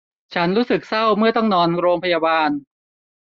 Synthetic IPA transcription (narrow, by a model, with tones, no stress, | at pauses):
t͡ɕʰa˦˥nɾuː˦˥sɯ˨˩k̚sa˥˩wmɯ˥˩ɐt̪ɔ˥˩ŋnɔː˧nɾoː˧ŋpʰa˧jaː˧baː˧n